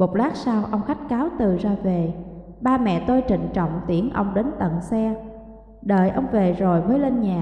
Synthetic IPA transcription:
mo˨˩t̚laː˦˥k̚saː˧wʔə˧wŋ͡mxa˦˥k̟̚kaː˨˦wt̪ɨ˨˩zaː˧ve˨˩ | ɓaː˧mɛ̰˧˨t̪o˧jt͡ɕḭ̈˧˨ŋ̟t͡ɕɔ̰˧˨wŋ͡mt̪i˨˦ənʔə˧wŋ͡mɗe˨˦nt̪ə̰˧˨nsɛ˧ | ɗə̰ː˨jʔə˧wŋ͡mve˨˩zo˨˩jvəː˨˦jle˧nɲaː˨˩

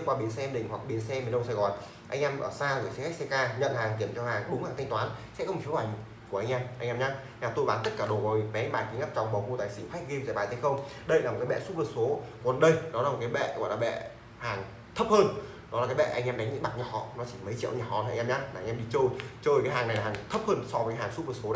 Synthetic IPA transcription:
kwaː˧˩ɓi˨˩ə˨nsɛ˧mɗï˨˩ŋ̟hwa˨˩k̚ɓi˨˩ənsɛ˧mi˨˩nɗə˧wŋ͡msaː˧jɣɔ˨˩n | ʔa˧ŋʔɛ˧mʔə̰ː˧˩saː˧zə˧˩si˨˦xa˦˥k̚sɛ˧kaː˧ɲə̰˧˨nhaː˨˩ŋk̪i˧˩əmt͡ɕɔ˧haː˨˩ŋɗʊ˨˦ŋ͡mhaː˨˩ŋt̪ʰŋ̟t̪waː˨˦nsɛ̰˧˥kɔ˧wkʰi˦wha˧˩j | ku˧˩ʔjŋ̟ʔɛː˧mʔa˧jŋʔɛ˧mɲaː˧ | ɲaː˧˩t̪o˧˩jɓaː˨˦nt̪ə˦˥t̚kaː˧˩ɗo˨˩vaː˨˩wmi˨˩ɓɛ˨˦˧ɓaː˧˩ki˨˦ŋa˦˥p̚t͡ɕɔ˧˨˩wŋ͡mɓa˨˩wku˧t̪aː˧˨jsi˧˩fa˦˥k̟̚ɣi˧mzaː˨˧˩ɓaː˨˩t̪ʰːxə˧wŋ͡mɗə˧jlaː˨˩m̚˨˩kaː˨˦ɓɛ̰˧˨su˦˥t̚vɨː˨˩t̚so˨˦kwə˨˩nɗə˧jɗɔ˨˦laː˨˩m̚˨˩kːaː˨˦jɓɛ̰˧˨ɣwaː˧˩laː˨˩ɓɛ̰˧˨ | haː˨˩ŋ | t̪ʰə˦˥p̚həː˧n | ɗɔ˨˦laː˨˩kaː˨˦jɓɛ̰˧˨ʔa˧jŋʔɛː˧mɗa˨˦ŋ̟zɨ̰˧˥ɓa˨˩t̚ɲɔ˨˩ɔ̰˧˨nɔ˨˦t͡ɕi˧˩mə˨˦jt͡ɕḭ˧˨əwɲaː˨˩hɔ̰˧˨˧j̟ɛ˧mɲaː˧aː˨˧ŋ̟ɛ˧ɓḭ˧˨t͡ɕə˧jt͡ɕə˧˩jkaː˨˦jɦaː˨˩ŋna˨˩jlaː˨haː˨˩ŋt̪ʰə˦˥p̚həː˧nsɔ˧vəː˨˦˥jɦaː˨˩ŋsu˦˥t̚və˨˩tso˨˦n˨

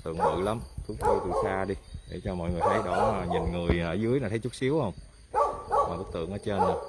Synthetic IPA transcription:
t̪ɨ̰˧˨ŋmɨ̰˧˨la˨˦mt̪ʰu˨˦əkt̪u˧jt̪ɨ̰˧˨˩ŋsaː˧ɗi˧ɗe˧˩t͡ɕɔ˧mɔ̰˧˨jŋɨ˨˩əjt̪ʰa˨˦jɗɔ˧˩˧ɲi˨˩nŋɨ˨˩əjʔəː˧˩zɨ˨˦əjnaː˨˩t̪ʰə˨˦jt͡ɕu˦˥si˨˦əwhə˧wŋ͡m | maː˨˩ɓɨ˦˥k̚t̪ɨ̰˧˨əŋʔəː˨˦t͡ɕe˧n˨˩

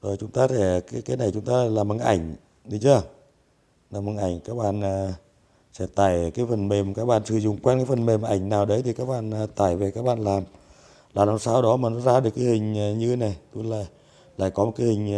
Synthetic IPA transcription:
zo˨˩jt͡ɕʊ˨˦ŋ͡mt̪aː˧sɛ˧˩kaː˨˦kaː˨˦jna˨˩jt͡ɕʊ˨˦ŋ͡mt̪aː˧˨laː˨˩mɨ˨˩ŋʔa˧˩jŋ̟ | ɗi˨˦t͡ɕɨ˨˦ə˨ | laː˨˩mhɨ˨˩nʔa˧˩jŋ̟kaː˦˥k̚ɓa̰ː˧˨nː˨˩ | sɛ̰˧˥t̪aː˧˩jkaː˨˦jfə˨˩nme˨˩m˨kaː˦˥k̚ɓa̰ː˧˨nsɨ˧˩zʊ̰˧˨ŋ͡mkwɛ˧nkaː˨˦jfə˨˩nme˨˩m˨ʔa˧˩jŋ̟naː˨˩wɗə˨˦t̪ʰi˨˩kaː˦˥k̚ɓa̰ː˧˨nː˨t̪aː˧˩jve˨˩kaː˦˥k̚ɓa̰ː˧˨nlaː˨˩m | laː˨˩laː˨˩saː˧˩wɗɔ˨˦maː˨˩nɔ˨˦zaː˧ɗɨ˨˩əkːaː˨˦hï˨˩ŋ̟ː˨˩ɲɨ˧na˨˩jt̪u˧˦la̰ː˧˨ | la̰ː˧˨jkɔ˨˦o˨˩t̚ka˨˦hï˨˩ŋ̟

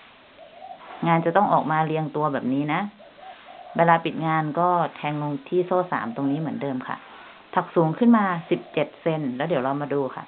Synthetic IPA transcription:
ŋaː˧nt͡ɕa˨˩t̪ɔ˥˩ŋʔɔ̰ː˨˩k̚maː˧li˧əŋt̪u˧ɐbɛː˨˩p̚niː˦˥na˦˥ʔ | beː˧laː˧pi˨˩t̪̚ŋaː˧nkɔː˥˩t̪ʰɛː˧ŋːo˧ŋt̪ʰiː˥˩soː˥˩sa̰ː˩˦mt̪o˧ŋniː˦˥mɯ˩˦əndɤː˧mkʰa̰˧˩ʔ | t̪ʰa˨˧˩k̚suː˩˦ŋkʰɯ˥˩˨nmaː˧si˨˩p̚t͡ɕe˨˩t̪̚se˧nlɛː˦˥wdi˩˦la˧wmaː˧duː˧kʰa̰˧˩ʔ

